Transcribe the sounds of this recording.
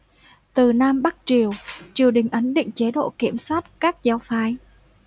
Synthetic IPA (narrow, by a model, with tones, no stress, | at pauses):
t̪ɨ˨˩naː˧mɓa˦˥k̚t͡ɕi˨˩əwt͡ɕi˨˩əwɗï˨˩ŋ̟ʔə˨˦nɗḭ˧˨ŋ̟t͡ɕe˨˦ɗo̰˧˨ki˧˩əmswaː˦˥t̚kaː˦˥k̚za˨˧˦wfaː˧j